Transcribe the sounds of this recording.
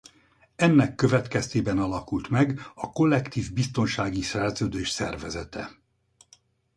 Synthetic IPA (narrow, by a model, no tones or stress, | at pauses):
ɛnːɛkːø̞vɛt̪kɛst̪eːbɛnɒlɒkult̪mɛɡɒko̞lːɛkt̪iːvbist̪o̞nʃaːɡisɛrzøːd̪øːʃsɛ̰rvɛzɛt̪ɛ̰